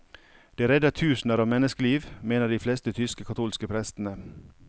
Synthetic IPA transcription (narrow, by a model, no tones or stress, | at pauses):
d̪̥eːæɾɛd̪ət̪ʰʉːsn̩əɾɑːʋmɛnəskəliːʋmeːnəɖiːflɛst̪ət̪ʰʏskəkʰɑt̪ʰuːlskəpʰɾɛst̪n̩ə